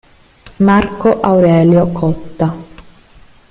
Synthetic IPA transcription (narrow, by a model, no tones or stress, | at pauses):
markoʔawɾɛːljokʰɔt̪ːa